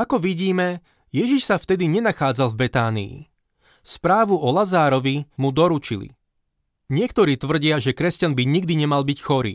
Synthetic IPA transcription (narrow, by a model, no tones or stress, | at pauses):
akɔʋiɟiːmɛ | jɛʒiʃsaft̪ɛd̪iɲɛnaxaːd͡zalˠvbɛt̪aːnḭḭ | spɾaːʋuʔɔlazaːɾɔʋimud̪ɔɾut͡ʃilḭ | ɲɪɛkt̪ɔɾiːt̪ʋr̩ɟɪaʒɛkɾɛscanbiɲiɡ̚d̪iɲɛmalbicxɔɾḭː